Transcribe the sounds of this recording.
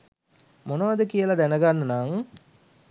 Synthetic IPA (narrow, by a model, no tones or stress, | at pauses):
monəʋad̪əkijəlad̪ænəɡanːɐnaŋ